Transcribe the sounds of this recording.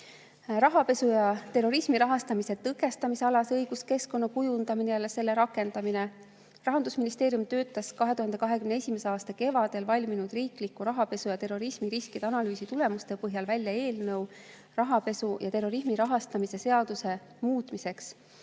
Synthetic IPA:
rɑɦɑpe̞sujɑt̪e̞rːo̞ɾismiɾɑɦɑst̪ɑmise̞t̪ɤkːˑe̞st̪ɑmise̞ɑlɑsɤjɡ̥uske̞sko̞nːɑkujund̪̥ɑminelese̞lːe̞ɾɑkːˑe̞nd̪̥ɑmine | rɑɦɑnd̪usminist̪e̞ːɾjumt̪ø̞ːt̪ːˑɑskɑɦe̞t̪uɦɑnd̪e̞kɑɦe̞kymneesʲimeseɑːst̪ɑke̞vɑd̪elvɑlʲminud̪riːklikːˑuɾɑɦɑpe̞sujɑt̪e̞rːo̞ɾismiɾiskid̪̥ɑnɑlyːsit̪ule̞must̪epɤɦjɑlvælʲjɑe̞ːlnɤw | rɑɦɑpe̞sujɑt̪e̞rːo̞ɾismiɾɑɦɑst̪ɑmise̞se̞ɑd̪̥use̞ | muːt̪ˑmise̞ks

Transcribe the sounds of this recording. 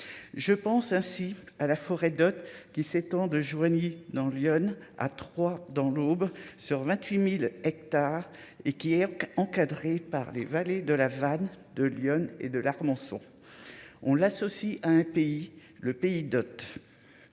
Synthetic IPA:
ʒəpɑ̃sɛ̃sialafɔʁɛd̪ɔt̪kʲiset̪ɑ̃d̪əʒwaɲed̪ɑ̃ljɔna̰t̪χwad̪ɑ̃lobʁsyʁvɛ̃t̪ɥimilɛk̚t̪aʁ | ekʲiɛɑ̃kad̪ʁepaʁlevaled̪əlavan | d̪əljɔnḛd̪əlaʁmɑ̃sɔ̰̃ | ɔ̃lasɔsiʔaɛ̃peiləpeid̪ɔt̪

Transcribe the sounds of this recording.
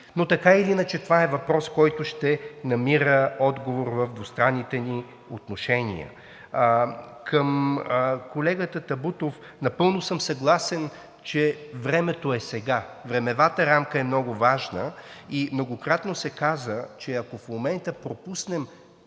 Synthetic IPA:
not̪ɐkailinət͡ʃɛt̪ovaɛvɐpɾɔskɔjt̪ʊʃt̪ɛnɐmiɾəɔd̪ɡovoɾvɐvd̪vost̪ɾanːit̪ɛni | ot̪noʃɛnḭə̰ | kəm | kolɛɡət̪ət̪ɐbut̪of | nɐpɤlˠnosɤmsɐɡlˠasɛn | t͡ʃɛvɾɛmɛt̪oɛsɛɡavɾɛmɛvat̪əɾamkəɛmnɔɡʊvaʒnəimnoɡokɾat̪nosɛkazət͡ʃɛɐkofmomɛnt̪əpɾopusnɛm

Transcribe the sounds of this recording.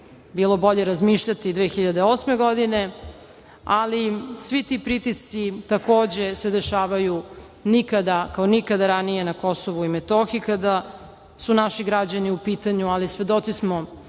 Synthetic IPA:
biːlˠo̞boʎe̞ɾazmiːʃʎat̪id̪ʋeːxiʎad̪e̞osmeɡo̞d̪ine̞ | alisʋit̪ipɾit̪isit̪ako̞ːd͡ʑe̞sed̪e̞ʃaːʋaju | nikad̪akaonikad̪aɾanije̞nako̞soʋuimet̪oxikad̪a | sunaʃiɡɾad͡ʑaniupiːt̪aɲualisʋe̞d̪o̞t̪sismo

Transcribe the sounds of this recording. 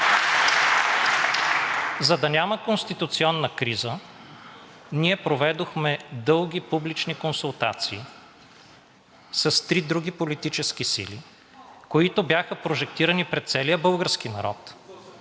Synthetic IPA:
zɐd̪ɐnʲaməkonst̪it̪ut̪siɔnːəkɾizə | niɛpɾovɛd̪oxmɛd̪ɤlˠɡʲipublit͡ʃnikonsulˠt̪a̰t̪siː | sɐst̪ɾid̪ɾuɡ̟ipolit̪it͡ʃɛsk̟isḭlḭ | koit̪objaxəpɾoʒɛk̚t̪iɾənipɾɛt̪t̪sɛliəbɤlˠɡəɾsk̟inɐ̰ɾɔ̰t̪

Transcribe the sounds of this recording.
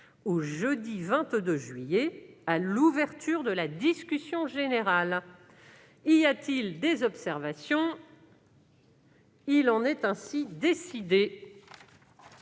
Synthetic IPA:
oʒəd̪ivɛ̃t̪d̪øʒɥijealuvɛʁt̪yʁd̪əlad̪iskʲysjɔ̃ʒeneʁal | ijat̪ild̪ezɔpsɛʁvasjɔ̃ | ilɑ̃nɛt̪ɛ̃sid̪esid̪e

